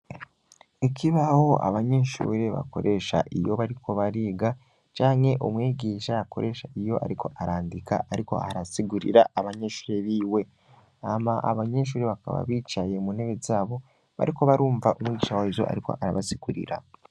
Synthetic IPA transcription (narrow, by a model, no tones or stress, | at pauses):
ekʰiβaho̞ʔa̰βaɲe̞ʃṵːɾe̞βa̰ko̞̰ɾʔe̞ʃa̰ʔijo̞βaɾikʰo̞βaɾiːɡa | t͡ʃaːŋhe̞ʔomwiːɡiːʃajako̞ɾʔe̞ʃaijo̞ʔa̰ɾikʰo̞ʔaɾaːndika̰ʔaɾiko̞̰aɾasiɡuɾḭɾaaβaɲeːʃu̥ːɾeβiːwe̞ | amaʔa̰βaɲe̞ʃ̬uːɾeβaka̰βa̰βiːt͡ʃaje̞mun̥eβezaːβo̞ | βa̰ɾiko̞βaɾuːɱvaʔomwiːɟiːʃawaizo̞̰ʔa̰ɾiko̞̰ʔaɾaβasiɡ̥uɾḭɾa̰